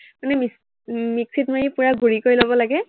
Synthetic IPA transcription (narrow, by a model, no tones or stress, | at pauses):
manɛmis | miksitmajipʊɹaɡuɹikoɹilobɔlaɡɛ